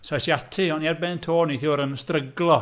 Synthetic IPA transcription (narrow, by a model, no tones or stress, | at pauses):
sajsjatʰɨɔniarbɛːntʰoːniθɪwɾənstrəɡlˠɔ